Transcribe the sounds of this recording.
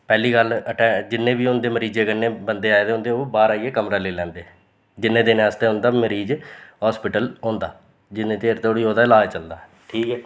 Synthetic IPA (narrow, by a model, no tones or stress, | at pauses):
pɛːliːɡələʈɛːd͡ʒɪnːẽːbiːʊnd̪eːməɾiːd͡ʒeːkənːẽːbənd̪eːaːed̪eɦʊ̃nd̪eːoːbaːɾaːiːeːkəmɾaːleːlɛ̃ːnd̪eː | d͡ʒɪnːẽːd̪enːaːst̪eːɦʊ̃nd̪aːməɾiːd͡ʒɦɔːspɪʈəlõːnd̪a̰ː | d͡ʒɪnːẽːt͡ʃeːɾt̪oːɽiːɦoːd̪aːlaːt͡ʃəld̪aː | ʈʰiːkɛː